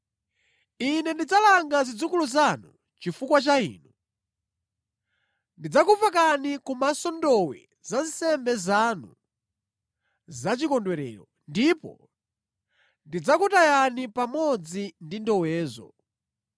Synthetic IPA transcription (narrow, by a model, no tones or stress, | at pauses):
inɛndid͡zalaŋɡazid͡zukuluzanu | t͡ʃifukwat͡ʃaḭːnu | ndid͡zakuvakanikumasɔndɔwɛ̰ | zansɛmbɛzanu | zat͡ʃikɔndwɛɾɛ̰ːɾɔ | ndipɔ̰ | ndid͡zakutajanipamɔd͡zindindɔwɛːzɔ̰